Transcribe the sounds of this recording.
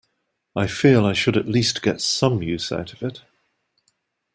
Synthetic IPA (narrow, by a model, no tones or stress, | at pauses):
aɪfilˠaɪʃɨɾəʔˡliˑstɡ̥ɛtsʌ̃mjʉza̰ʊtəv̥ɪt